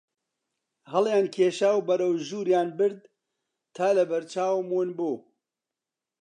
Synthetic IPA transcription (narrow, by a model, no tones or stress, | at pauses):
hɐlˠjaːnkʰeːʃaːwbɐɾɐwʒuːɾjaːnbɨɾd̪ | t̪ʰaːlɐbɐɾt͡ʃaːwmunbuː